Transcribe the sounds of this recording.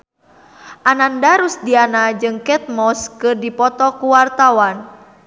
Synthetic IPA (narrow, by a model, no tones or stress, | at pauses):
ʔanandaɾusdianad͡ʒɨŋkɛt̪̚mɔskɨrdipɔt̪ɔkuwart̪awan